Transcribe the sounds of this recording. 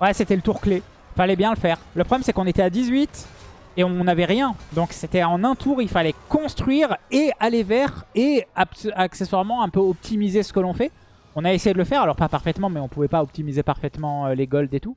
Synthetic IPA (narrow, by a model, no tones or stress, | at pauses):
wɛset̪ɛlət̪uʁkle | ifalɛbjɛ̃ləfɛːʁləpχɔblɛmsɛkɔ̃net̪ɛad̪izɥit̪ | eɔ̃navɛʁjɛ̃d̪ɔ̃kset̪ɛɑ̃nɛ̃t̪ʰuʁilfalɛkɔ̃st̪χɥiʁealevɛʁeasakseswaʁmɑ̃ɛ̃pøɔp̚t̪ʰimizesə̥kəlɔ̃fɛ | ɔ̃naesejed̪ələfɛʁalɔʁpapaʁfɛt̪mɑ̃mɛɔ̃puvɛpaɔp̚t̪imizepaʁfɛt̪mɑ̃øleɡɔld̪et̪u